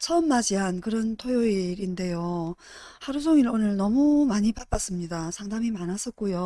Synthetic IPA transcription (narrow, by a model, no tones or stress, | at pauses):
t͡ɕʰʌmːad͡ʑiɦankɯɾʌntʰojoiɾinde̞jo | haɾus̬ʰoŋiɾonɯɭnʌmumaɲipap͈as͈ɯmɲidasʰaŋdamimanɦas͈ʌk͈̚ujo